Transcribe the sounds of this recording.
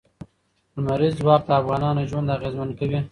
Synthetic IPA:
d̪maɾizwɑk̚d̪əafɣɑnɑnoʒwand̪aɣezmankawi

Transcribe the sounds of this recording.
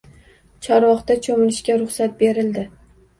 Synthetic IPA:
t͡ʃʰɒɾɒχt̪at͡ʃʰomɪlɪʃkʲaɾʊχsat̪̚be̞ɾɪld̪ɪ

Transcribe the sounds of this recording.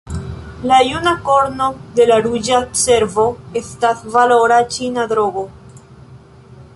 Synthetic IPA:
lajunako̞ɾno̞d̪e̞laɾud͡ʒase̞ɾvo̞estasvalo̞ɾat͡ʃinad̪ɾo̞ɡo̞

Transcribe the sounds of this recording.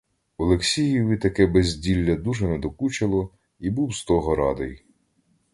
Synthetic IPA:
ɔlˠeksʲijiʋit̪ɐkɛbezʲdʲilʲːɐd̪uʒɛnɛd̪ɔkut͡ʃɐlˠɔ | ibuwst̪ɔɦɔɾɑd̪ej

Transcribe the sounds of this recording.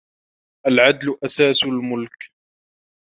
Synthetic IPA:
ʔalʕad̪lʊʔasaːsʊlmʊlk

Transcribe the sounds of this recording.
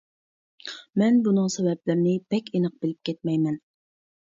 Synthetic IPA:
mɛnbunɨŋsɛvɛblɪɾnɪbɛkʲenəq̚b̥ɪlɪp̚kʲɛt̪̚mɛjmɛn

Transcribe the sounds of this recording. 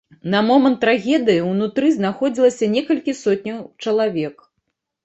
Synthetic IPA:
nɐmɔmɐnt̪ːɾaɣʲɛd̪ɨjiwnut̪ɾɨznaxɔd͡zʲilˠɐsʲɐnʲɛkɐlʲkʲisɔt̪̚ʲnʲɐwt͡ʂɐlˠavʲɛk

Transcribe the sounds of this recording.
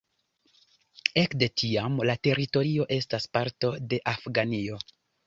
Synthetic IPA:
e̞kde̞tʰiamlate̞ɾito̞ɾio̞ʔe̞staspaɾto̞de̞ʔafɡanio̞

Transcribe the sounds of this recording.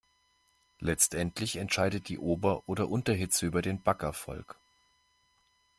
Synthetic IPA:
lɛt͡stʔɛntʰlɪçɛntʃaɪdət̚d̥iːʔoːbɐʔoːɾɐʔʊntɐɦɪt͡səyːbɐdeːnbakɛɐfɔ̰lk

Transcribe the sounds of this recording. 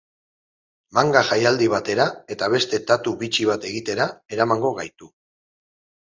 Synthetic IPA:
maŋɡaʝajald̪iβ̞at̪e̞ɾae̞t̪aβ̞e̞st̪e̞t̪at̪uβit͡ʃiβ̞at̪e̞ɣit̪e̞ɾae̞ɾamaŋɡo̞ɣ̞ajt̪u

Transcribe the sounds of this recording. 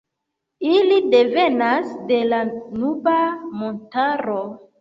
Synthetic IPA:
ilide̞venasde̞lanubamontaɾo

